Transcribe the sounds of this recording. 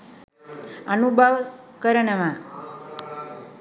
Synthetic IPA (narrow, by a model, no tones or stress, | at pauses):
ənubʱəʋ | kəɾəɳəmã